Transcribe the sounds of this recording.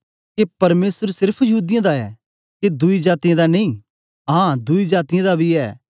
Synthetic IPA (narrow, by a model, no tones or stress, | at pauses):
kepɐɾmeːsəɾsɪɾpʰjɐɦuːd̪ɪjãd̪aɛ̰ː | ked̪uid͡ʒaːt̪ijãd̪anɐĩ | ɦãːd̪uid͡ʒaːt̪ɪjãd̪abʱiɛː